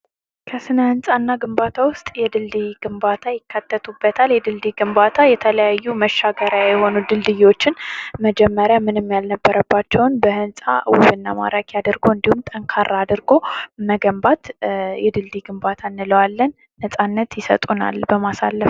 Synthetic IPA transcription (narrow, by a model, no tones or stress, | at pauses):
kʰəsɨnəhɨnsʼanːaɡɨmbat̪ʰawʊst̪ʼjɛd̪ɨld̪iɡɨmbat̪ʰajɪkːat̪ʰːət̪ʰubːət̪ʰaljɛd̪ɨld̪iɡɨmbat̪ʰajɛt̪ʰələjajːuməʃːaɡəɾjajɛho̞nud̪ɨld̪ɨjwo̞t͡ʃːɪnməd͡ʒɛmːəɾjamɨnɨmːjalnəbːəɾəbːat͡ʃːɛwnbəhɨnsʼa̰wṵβɨnːa̰ma̰ɾakjad̪əɾɡoɨnd̪ihumt̪ʼəŋkʰaɾaːd̪ɨɾɡo̞məɡəmbat̪jɛd̪ɨld̪iɡɨmbat̪ʰanːɨləwalːənːəsʼanːət̪jɪsə̰t̪ʼuna̰lbəmasa̰lːəf